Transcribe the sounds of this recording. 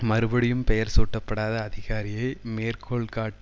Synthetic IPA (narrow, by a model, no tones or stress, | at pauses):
mɐɾɯbɐɽɪjɯmpɛjɐɾsuːʈːɐpːɐɽaːðɐːðɪɣaːɾɪjɐɪmeːrkʰɔɭkaːʈː